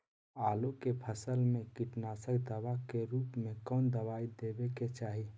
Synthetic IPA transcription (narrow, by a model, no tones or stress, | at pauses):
alukepʰəsəlmekiʈnasəkd̪əbakeɾuːpmẽkəʊnd̪əβaid̪ebeket͡ʃaːɦi